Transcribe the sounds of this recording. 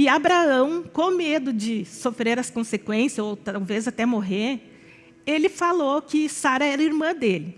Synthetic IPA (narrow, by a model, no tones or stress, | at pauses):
ɪabɾaɐ̃w̃kõmed̪ʊd͡ʒɪsofɾeɾɐskõsekwẽsjɐzowt̪awvezat̪ɛmoɦeɾ | elɪfalokɪsaɾɐɛɾɐiɾmɐ̃d̪elɪ